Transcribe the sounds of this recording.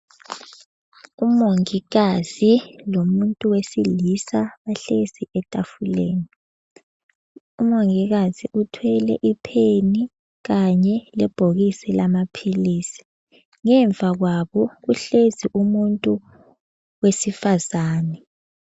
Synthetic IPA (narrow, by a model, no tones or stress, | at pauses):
umoŋiɣaz̥ilomuntʼuwesilisaβaɬez̥iɛtʼafulḛːni | umoŋiɣaziʔutʰwɛlɛ̰ʔipʰeni | ɣaɲɛlɛb̥ʱoɣisɛlamapʰiliːsi̥ | ŋɛɱvʱaɣwaβɔɣuɬeziʔumuntʼu | wesifazaːnɛ